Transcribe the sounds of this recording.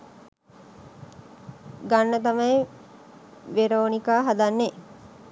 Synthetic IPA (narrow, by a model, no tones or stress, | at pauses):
ɡanːət̪ɐmɐje | ʋeɾoːnikaːɦad̪anːe